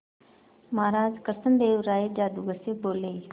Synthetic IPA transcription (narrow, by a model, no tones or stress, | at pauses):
maːɾaːzkəɾsənd̪eːʋɾaːed͡ʒaːd̪uɡəseboːleː